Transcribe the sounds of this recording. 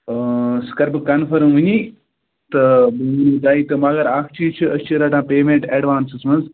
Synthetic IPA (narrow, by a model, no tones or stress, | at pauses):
skɐɾbkɐnfʰɐɾmʋɨɲi | t̪ɐbuŋunuːt̪aːit̪ɨmɐɡɐɾaːkʰt͡ʃʰijt͡ʃʰiɐst͡ʃʰiɾɐʈãːpeːmeɳʈeɖʋaːnsɨsmɐnz